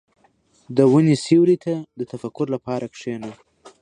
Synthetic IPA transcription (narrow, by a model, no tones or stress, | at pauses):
d̪əwunesewɾit̪ʰad̪ət̪afakʊɾlapɑɾakʂena